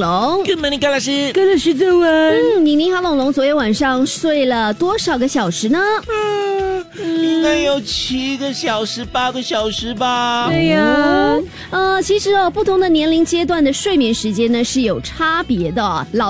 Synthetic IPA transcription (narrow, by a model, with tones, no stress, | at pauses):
lo˧˥ŋkə˥nm˧˥ni˧ka˥la˧˩ʂɻ̩˥˧kə˥nla˧˩ʂɻ̩˥˧t͡sə˥˩wə˧˥n̩˥˩ni˨˩ŋni˧˥ŋxa˧˥lɑ˨˩ŋlʊ˧˥ŋt͡swje˧˥˩wa˨˩nʂɑ˥˧ŋswe˥˩ɪlə˩t̪wɔ˥ʂɑ˨˩ʊɡə˦ɕjɑ˨˩ʊʂɻ̩˧˥nə˧ | n̩˥˩i˧ŋka˥ɪjo˨˩ʊt͡ɕʰi˧˥ɡə˧ɕjɑ˨˩ʊʂɻ̩˧˥pa˥ɡə˧ɕjɑ˨˩ʊʂɻ̩˧˥ba˨me˥˧˥ | ə˥˧t͡ɕʰi˧˥ʂɻ̩˧˥ɔ˧pu˥˩t̪ʰʊ˧˥ŋd̪ə˧njɛ˧˥nli˧˥ŋt͡ɕjɛ˥t̪̬wa˥˩nd̪ə˩ʂwe˥˩ɪmjɛ˧˥nʂɻ̩˧˥t͡ɕjɛ˥nnə˨ʂɻ̩˥˩jo˨˩ʊʈ͡ʂʰa˥pjɛ˧˥d̪ə˧˩lɑ˨˩